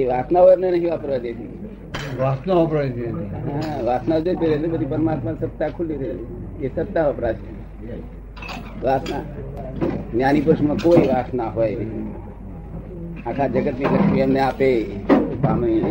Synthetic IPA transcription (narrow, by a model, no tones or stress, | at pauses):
eʋaːsnaɦomnenəɦĩʋapəɾʋad͡ʒ̪et͡ʃʰi | ʋasnaapɾait͡ʃeɦaə̃ʋasnad͡ʒot̪eɾəlebəd̪ʱipəɾmat̪məsət̪ːakʰulːiɾəieesət̪ːaʋəpɾat͡ʃe | ʋasna | njanip̬əɾʃmãkoiʋasnaɦoe | akʰad͡ʒəɡət̪niɾəkʃmiəmneapepaːmi